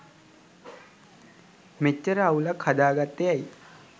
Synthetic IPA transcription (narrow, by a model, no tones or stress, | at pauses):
met͡ʃːəɾəaulakhad̪aːɡat̪ːejaji